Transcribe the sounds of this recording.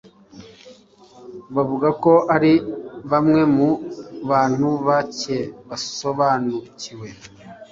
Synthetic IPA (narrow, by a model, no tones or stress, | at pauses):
βavuɡako̞ʔaɾiβamŋe̞muβaːn̥huβace̞βaso̞βaːnuciwe̞